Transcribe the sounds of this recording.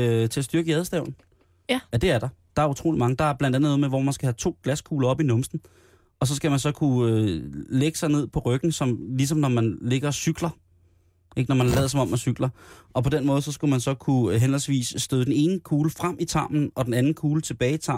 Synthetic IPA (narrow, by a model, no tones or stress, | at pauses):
øt͡sʰe̝æsd̥yɐɡ̥əjɛð̞ˠsd̥ɛʊ̰ln̩ | jæd̥e̝æɐɾ̥ɑ̈d̥ɑ̈æɐut͡sʰʁo̰ːlimɑ̈ŋəd̥ɑ̈æɐb̥lænd̥ænð̩nɔːð̩ˠmeʋɒ̰mænsɡ̥æhæt͡sʰo̝̰ːɡ̥læskʰuːlɐɒ̽b̥inɔ̽msn̩ | ɒ̽sɒ̽sɡ̥æmænsɒ̽kʰuøleɡ̥ə̥sɑ̈ɪne̝ð̞̰ˠpʰɒ̽ʁœɡ̥n̩sɒ̽mlisɒ̽mnɒmænle̝ɡ̥ɐsyɡ̥lɐ | e̝ɡ̥nɒmænlɛ̰ːð̩ˠsɒ̽mɒ̽mæsyɡ̥lɐɒ̽pʰɒ̽d̥enmɔ̽ːðˠsɒ̽sɡ̥umænsɒ̽kʰuɦenəlsʋḭːsːd̥øðˠd̥ene̝ːnəkʰuːləfʁam̰ʔit͡sʰɑ̈ːmn̩ɒ̽d̥enænn̩kʰuːlət͡sʰe̝b̥ɛːɪit͡sʰɑ̈